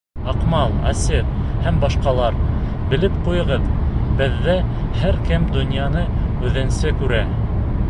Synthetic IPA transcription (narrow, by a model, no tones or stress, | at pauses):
ɑqmɑlˠɑ̰set̪hæmbɑʃqɑlˠɑɾ | bɘ̆lɘpqujɤ̆ʁɤðbɘ̆ðːæhæɾkɘmd̪ŏnʲjɑnɤʉðɘ̆nsɘkʉɾæ